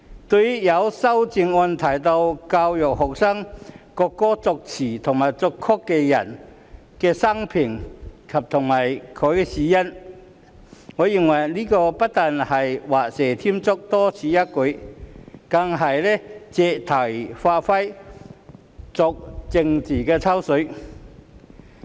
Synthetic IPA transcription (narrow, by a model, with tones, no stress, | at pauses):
t̪o˧jjɐ˨˧wsɐ˥wt͡ɕi˧ŋɔː˧nt̪ʰa˨˩jt̪o˧wkaː˧wjɔ˨k̚hɔ˨k̚sa˥ŋkɔ˧kːɔː˥t͡sɔ˧k̚t͡sʰiː˨˩t̪ʰʊ˨˩ŋmaː˨˩jt͡sɔ˧kʰːɔ˥kːɛ˧jɐ˨˩n | kɛː˧sɐ˥ŋpʰi˨˩ŋkʰɐ˨p̚t̪ʰʊ˨˩ŋmaː˨˩jkʰɔ˨˧jkɛ˧siː˨˥jɐ˧˥n | ŋɔː˨˥ji˨˩ŋwɐ˨˩jliː˦˥kɔː˧pɐ˥t̚t̪aː˨˧nhɐ˨˩jwaː˨˩sɛː˨˩t̪ʰi˥mt͡sʊ˥k̚t̪ɔː˦˥t͡sʰiː˨˧ja˥kʊ˨˥ | kɐ˧ŋɦɐ˨jlɛ˦˥t͡sɛ˧t̪ʰɐ˨˩jfaː˧t̚fɐ˥j | t͡sɔ˧k̚t͡sɪ˧ŋt͡siː˨˩kɛː˧t͡sʰa˥wsɵ˨˧˥